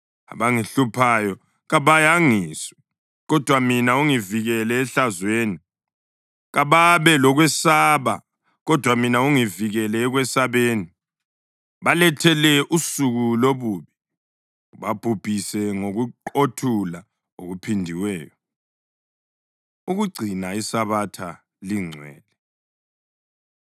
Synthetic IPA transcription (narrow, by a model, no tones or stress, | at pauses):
a̰βaŋiɬupʰajɔ | ɣaβajaŋiːsɔ̥ | ɣɔd̥ʱwaminauŋiviɣɛlɛːɬazweːni | ɣaβaβɛlɔɣwɛsaβa̰ | ɣɔd̥ʱwaminauŋiviɣɛlɛːɣwɛsaβeːni | βalɛtʰɛlɛʔusuɣuloβuːβi | βab̥ʱub̥ʱisɛŋoɣuǃotʰula | o̰ɣupʰindʱiwɛ̰ːjɔ | uɣuɡ͡ǀʱinaisaβatʰa | liŋ͡ǀʱwɛ̰ːlɛ